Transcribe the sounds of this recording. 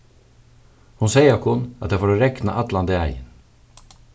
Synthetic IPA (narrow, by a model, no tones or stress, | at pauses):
hʊnseɪəkʰʊnɑt̪̚jæfoːɾoːɾɛknə̰ʔɑt̪lɑnd̪əæɪə̰n